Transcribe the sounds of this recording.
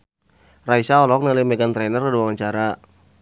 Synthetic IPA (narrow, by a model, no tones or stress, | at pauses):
raisaɔlɔk̚nalimɛɡant̪ɾɛnərkaduwaŋaɲt͡ʃaɾa